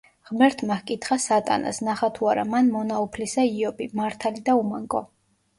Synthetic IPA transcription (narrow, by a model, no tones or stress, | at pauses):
ʁmɛɾt̪ʰmahkʼit̪ʰχasat̪ʼa̰na̰snaχat̪ʰuaɾa̰manmɔnaupʰlisaiɔbimaɾt̪ʰalid̪aumaŋkʼɔ